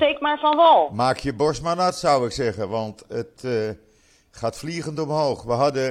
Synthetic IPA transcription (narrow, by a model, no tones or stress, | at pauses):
tekmaːɹfɑnʋɔlˠmaːkʰjəbɔɹsmanatsawɪksɛɣənʋɑntət | χaːtfliɣəntɔmɦoːχʋəɦɑdə